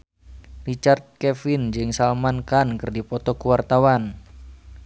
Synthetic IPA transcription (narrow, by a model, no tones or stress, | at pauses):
rit͡ʃart̪̚kɛfɪnd͡ʒɨŋsalmankankɨrdipɔt̪ɔkuwart̪awan